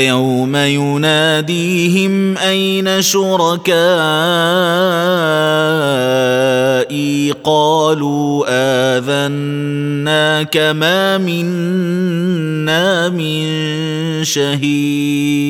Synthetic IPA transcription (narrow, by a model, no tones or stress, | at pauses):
awmajʊnaːd̪iː | ɦɪm | ʔajnaʃʊɾˤɑkaː | ʔiːqɑːluː | ʔaːðanː | aːkamaːmɪn | aː | mɪnn | ʃaɦiː | dd̪